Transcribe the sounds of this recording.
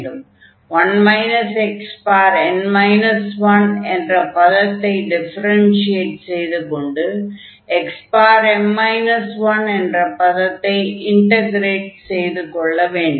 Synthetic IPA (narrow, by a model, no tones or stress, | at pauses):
ɯm | ʋɐnmɐɪnɐsɛkspaːɾɛnmɐɪnɐsʋɐnɛndrɐpɐðɐt̪ːɐɪɖɪfɐɾɐnsɪeːʈsɛjðɯkɔɳɖɯ | ɛkspaːɾɛmmɐɪnɐsʋɐnɛndrɐpɐðɐt̪ːɐɪɪɳʈɐɡɾeːʈsɛjðɯkɔɭːɐʋeːɳɖɯ